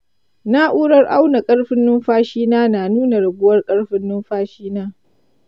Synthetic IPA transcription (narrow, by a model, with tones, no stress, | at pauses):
na˦ʔuː˦ɽɐ˦rʔa˦wna˨kʼɐ˦ɽɸɪ˦nːʊ˦mɸaː˦ʃiː˦naː˦naː˨nuː˦na˨ɽʊ˨ɡʷʊ˦wɐ˦rkʼɐ˦ɽɸɪ˦nːʊ˦mɸaː˦ʃiː˦naː˦